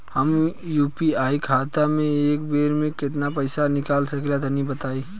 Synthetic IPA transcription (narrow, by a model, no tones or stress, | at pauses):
həmjuːpiaːikʰaːt̪amẽeːk̚beːɾmẽkɪt̪napəɪsanɪkaːlsɐklat̪anĩbət̪aːiː